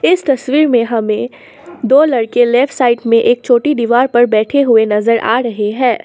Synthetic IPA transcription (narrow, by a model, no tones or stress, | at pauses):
ɪst̪ɐswiːɾmẽɦɐmẽ | d̪oːlɐɽkelɛːfʈsaːɪʈmẽʔeːk̚t͡ʃʰoːʈid̪iʋaːɾpɐɾbɛːʈʰeɦʊenɐzəɾʔa̰ːɾɐɦeɦɛ̃ː